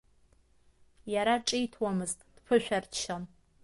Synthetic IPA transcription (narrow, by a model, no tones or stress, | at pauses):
jaɾaʈ͡ʂʼijtʰwɔmɨztʼd̥pʰɨʃʷᶣɐrtʃan